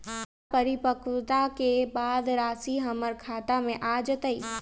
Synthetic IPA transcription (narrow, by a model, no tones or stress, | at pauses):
pəɾɪpəkʰwt̪akebaːd̪ɾaːsiɦɐməɾkʰaːt̪amẽʔaːd͡ʒət̪əiː